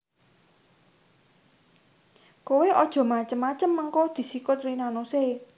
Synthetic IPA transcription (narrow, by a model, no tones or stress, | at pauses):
koweʔɔd̥ʒ̥ɔ̤mat͡ʃəmːat͡ʃəmːəŋkɔd̪̥i̤sikʊt̪rinanose